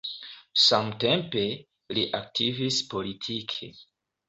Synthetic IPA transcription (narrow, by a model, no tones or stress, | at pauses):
samte̞mpe̞ | liʔak̚tʰivispo̞litʰikʰḛ